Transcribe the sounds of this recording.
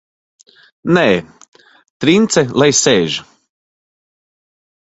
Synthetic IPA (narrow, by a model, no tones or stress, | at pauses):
nɛː | t̪ɾint̪sɛlˠajsɛːʒ